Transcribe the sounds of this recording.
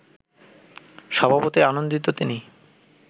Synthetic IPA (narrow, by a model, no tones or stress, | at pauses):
ʃɔbʱabot̪ianond̪it̪ot̪ini